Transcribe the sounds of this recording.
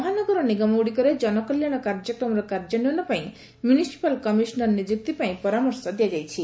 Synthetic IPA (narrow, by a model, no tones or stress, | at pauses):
ɔɦanɔɡɔɾɔniɡamɔuɽikɔɾed͡ʒɔnɔkɔljaɽ̃ɔkaɾd͡ʒɔkɾɔmɔɾɔkaɾd͡ʒɔniɔnɔpaĩ | mjunisi̥palkɔmisɔnɔɾnid͡ʒuk̚t̪ipaĩpɔɾamɔɾsɔd̪ijad͡ʒajt͡ʃʰi